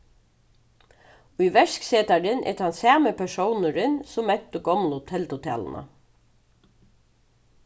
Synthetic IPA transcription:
ʊjʋɛʂkseːt̪aɾɪnʔɛ̰t̪ʰansæːməpʰɛʂɔwnəɾɪnsʊmːɛt̪ːʊɡɔmlʊt̪ʰɛlt̪ʊt̪ʰɛ̰ːlə̰nʔa̰

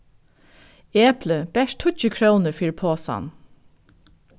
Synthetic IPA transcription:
eːpləb̥ɛʃt̪ʰʊt͡ʃəkʰɹownəfiːɹpʰoːsɑ̰n

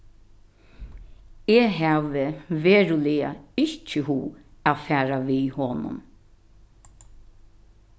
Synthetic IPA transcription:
eːɦaːʋəʋeːɾʊlɪa̰ɪht͡ʃəɦuːafæːɾaʋihoːnʊ̰m

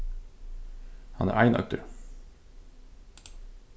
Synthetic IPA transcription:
hɑnæ̰ːɾʔæɪnʔɑ̰k̚t̪ʰʉ̰ɾ

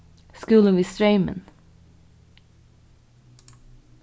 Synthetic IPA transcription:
skʉːlənʋiːst̪ɹœʏmə̰n

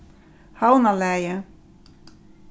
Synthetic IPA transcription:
hawnalɛjə

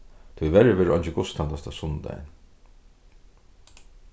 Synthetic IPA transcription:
t̪ʰujvɛɾɪʋɛːɾʔɔnt͡ʃɪɡʊst̪ʰant̪ast̪ʰasʊnd̪a̰j̰n

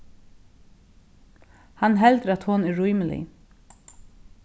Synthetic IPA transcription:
hanɦɛlt̪əɾat̪hɔnɛɹujmlɪ̰

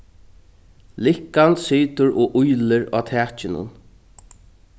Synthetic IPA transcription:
lɪhkansiːt̪ʊɾɔːʔʊjlɪɾa̰ːt̪ʰɛːt͡ʃɪnʊ̰n

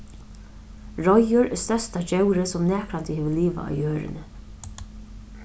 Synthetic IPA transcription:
ɹɔjʊɾɛst̪œst̪ad͡ʒɛwɾɪsɔmnɛːkɾant̪ɪhɛːʋəliːʋa̰ʔa̰ʋjøːɾɪ̰nə

